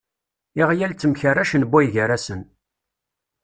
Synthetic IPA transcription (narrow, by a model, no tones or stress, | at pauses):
iʁjælt͡sːəmçərːæʃənbːæjʝəɾæsən